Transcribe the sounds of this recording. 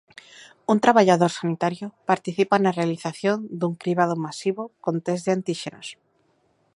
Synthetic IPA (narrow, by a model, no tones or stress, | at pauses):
unt̪ɾaβaʎaðoɾsanit̪aɾjopaɾt̪iθipanarealiθaθjond̪uŋkɾiβaðomasiβokont̪ezðeant̪iʃenos